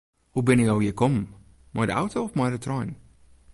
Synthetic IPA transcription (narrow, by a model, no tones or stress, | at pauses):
hubɪnəkjowjəkɔm | majdəa̰wtoɔfmajdətrɔjn